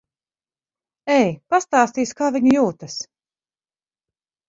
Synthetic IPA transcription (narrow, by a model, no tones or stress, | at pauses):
ɛjpast̪aːst̪iːskaːviɲujuːt̪ɐs